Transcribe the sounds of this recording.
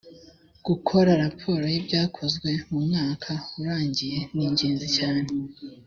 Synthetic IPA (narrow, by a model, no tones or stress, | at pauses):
ɡ̥ukʰo̞ɾaɾapʰo̞ːɾo̞jibɟaːkʰo̞zɡwe̞mumŋaːkʰauɾaːɲɟije̞niːɲɟe̞ːnzicaːne̞